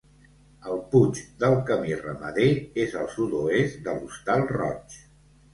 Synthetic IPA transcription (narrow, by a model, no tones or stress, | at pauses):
əlˠput͡ʃd̪əlˠkəmirəməðeezəlˠsud̪oezd̪əlust̪alˠrɔ̰t͡ʃ